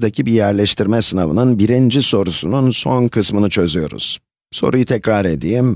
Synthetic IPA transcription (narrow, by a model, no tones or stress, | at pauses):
d̪acʰibijæɾlʲɛʃt̪ʰiɾmɛsɯnavɯ̰nɯnbiɾind͡ʒiso̞ɾusununso̞nkʰɯsmɯnɯt͡ʃʰø̞zyjo̞ɾṵz̥ | so̞̰ɾujut̪ʰɛcɾaɾed̪iːm